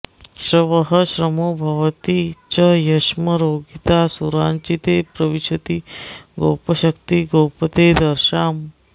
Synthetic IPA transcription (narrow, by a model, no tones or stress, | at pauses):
ɕɾəʋəɦəɕɾəmobʱɐʋt̪it͡ɕəjɐɕməɾoɡit̪asuɾãnt͡ɕit̪epɾəʋiɕət̪iɡowpəɕəkt̪iɡowpət̪ed̪əɾɕam